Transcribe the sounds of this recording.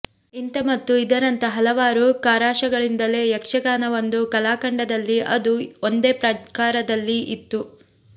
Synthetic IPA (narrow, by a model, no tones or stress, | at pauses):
int̪ɐmɐt̪ːuid̪ɐɾɐnt̪ɐɦɐlɐʋaːɾukaːɾaːʂɐɡɐɭind̪ɐle̞ːjɐkʂɐɡaːnɐʋond̪ukɐlaːkɐɳɖɐd̪ɐlːiʔɐd̪uond̪eːpɾɐkaːɾɐd̪ɐlːiit̪ːu